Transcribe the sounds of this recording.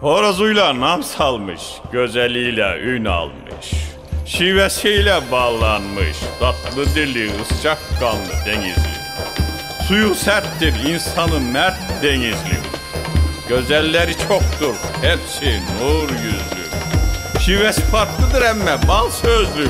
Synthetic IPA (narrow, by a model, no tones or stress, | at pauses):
hoɾazujlˠanɑmsɑlˠmɯ̰ʃ | ɟ̥ø̞zælʲːijlʲɛyjnɑ̰lˠmɯ̰ʃ | ʃivɛsijlʲɛbɑlˠɑnmɯ̰ʃd̪̥ɑt̪ʰlˠɯd̪ilʲiɯst͡ʃɑkɡɑnlːˠɯ̰d̪eɲizlʲḭ | sujusæɾt̪d̪iɾinsɑnɯmæɾt̪d̪eɲizlʲḭ | ɟ̥ø̞zælʲːæɾit͡ʃʰokt̪uɾhæmsinuɾjyzlʲy̰ʃivɛsi̥pʰaɾt̪lˠɯd̪ɯɾæmːɛbɑlˠsøzlʲy